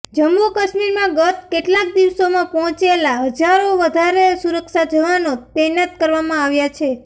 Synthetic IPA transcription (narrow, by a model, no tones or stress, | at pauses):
d͡ʒəmːukəʃmiɾmãɡət̪̚keʈlak̚d̪iʋsomãpɔɦɔ̃t͡ʃelaɦəd͡ʒaɾoʋəd̪ʱaɾesuɾəkʃad͡ʒəʋanot̪ɛnat̪̚kəɾʋamãaʋjat͡ʃʰe